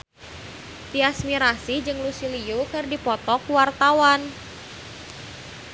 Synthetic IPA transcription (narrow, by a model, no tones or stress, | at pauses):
t̪iasmiɾasid͡ʒɨŋlusiliukɨrdipɔt̪ɔkuwart̪awan